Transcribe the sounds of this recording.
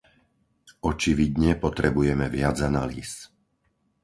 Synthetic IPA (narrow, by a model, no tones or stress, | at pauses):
ɔt͡ʃiʋid̪ɲɛpɔt̪ɾɛbujɛmɛʋɪad͡zanalḭːs